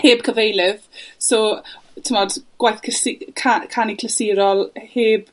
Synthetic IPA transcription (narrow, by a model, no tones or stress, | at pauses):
heːb̥̚kʰəvejlˠɪðsoːtʰəmɔd̥ɡ̥wajθkʰəsikʰakʰanikʰləsiɾɔlˠheːb̥